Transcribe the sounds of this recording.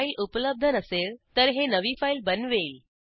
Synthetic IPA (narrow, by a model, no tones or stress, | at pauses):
ilupləb̚d̪ʱənəselt̪əɾɦenəʋifailbənʋeil